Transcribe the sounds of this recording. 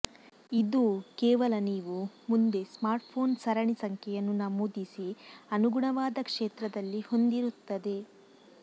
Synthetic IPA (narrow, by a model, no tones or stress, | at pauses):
id̪ukeːʋɐlɐniːʋumund̪e̞smaːɾʈpʰo̞ːnsɐɾɐɳisɐŋkʰɛjɐnːunaːmuːd̪isiɐnuɡuɳɐʋaːd̪ɐkʂeːt̪ɾɐd̪ɐlːiho̞nd̪iɾut̪ːɐd̪e̞